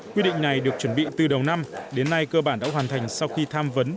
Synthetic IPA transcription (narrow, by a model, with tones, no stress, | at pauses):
kwi˧ɗḭ˧˨ŋ̟na˨˩jɗɨ˨˩ək̚t͡ɕwə˧˩nɓḭ˧˨t̪ɨ˨˩ɗə˨˩wna˧mɗe˨˦nːa˧jkəː˧ɓaː˧˩nɗa̰˧˥hwaː˨˩nt̪ʰa˨˩jŋ̟sa˧wxi˧t̪ʰaː˧mvə˨˦n